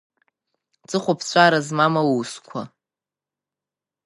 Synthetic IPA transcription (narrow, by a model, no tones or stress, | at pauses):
t͡sʼɨχʷapʰt͡ɕʷʰʼaɾazmamawuskʷʰa̰